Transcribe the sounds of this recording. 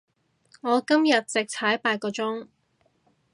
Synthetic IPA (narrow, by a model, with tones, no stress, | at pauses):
ŋɔː˨˧kɐ˥mjɐ˨t̚t͡sɪ˨k̚tʰɐ˨˥jpaː˧tkɔː˧t͡sʊ˥ŋ